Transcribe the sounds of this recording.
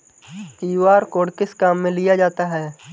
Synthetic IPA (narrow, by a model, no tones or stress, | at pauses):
t̪iːwaːɾkoːɽkɪskaːmːẽlijad͡ʒaːt̪aɦɛː